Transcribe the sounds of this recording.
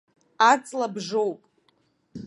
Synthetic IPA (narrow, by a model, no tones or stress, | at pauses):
at͡sʼlabʐo̞wpʼ